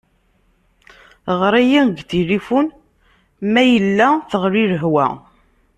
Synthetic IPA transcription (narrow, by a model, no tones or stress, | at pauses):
ʁɾˤæjinɡθiɾifun | mæjəlːæθəʁɾiɾəɦwæ̰